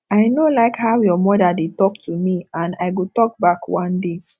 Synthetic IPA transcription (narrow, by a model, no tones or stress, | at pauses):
aɪnolaɪkhawjɔmɔdadetɔk̚tʰumiãnaɪɡotɔk̚bakwãnde